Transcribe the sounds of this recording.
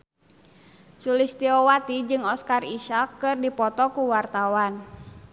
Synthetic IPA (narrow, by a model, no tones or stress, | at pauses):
sulist̪iɔwat̪id͡ʒɨŋɔskariʃakːɨrdipɔt̪ɔkuwart̪awan